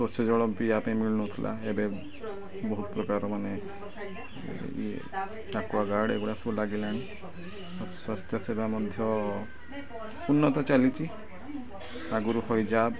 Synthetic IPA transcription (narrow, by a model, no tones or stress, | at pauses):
sosɔd͡ʒɔɭɔmpiapãimiɭɔnɔt̪ʰilʔa̰ebe | bɔɦut̪ɔpɾɔkaɾɔmane | ḛ | akuaɡaɽḛkɔɽasulaɡilañi | swast̪ʰjɔsebʱamɔd̪ʱjɔ | unːɔt̪ɔt͡ʃalit͡ʃʰi | aɡuɾuhɔjd͡ʒab